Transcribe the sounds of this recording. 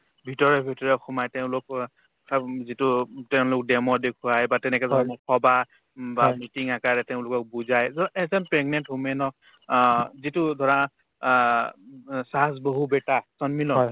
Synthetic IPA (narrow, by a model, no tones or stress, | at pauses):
bʱitɔɹɔbʱitɔɹɔxumajtɛʊ̃lʊk | zitʊtɛʊ̃lʊk̚dɛmɔdekʰuajbatɛnɛkɛzʱɔamɔkʰɔba | bamitiŋakaɹɛtɛʊ̃lʊkɔk̚buzajzɔɛzanpɹɛɡmɛntɦumɛnɔ | zitʊdʱɔɹa | sasboɦubɛtasɔnmilɔ